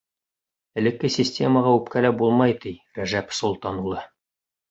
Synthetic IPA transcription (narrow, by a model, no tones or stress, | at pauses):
ɘ̆lɘ̆kːɘsʲɪsʲtʲe̞məʁɑʉpkælæbulˠmɑjt̪iɾæʒæpsŭlˠt̪ɑnulˠɤ